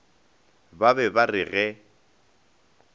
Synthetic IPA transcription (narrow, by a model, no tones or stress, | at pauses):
babɛbarɪɣɛ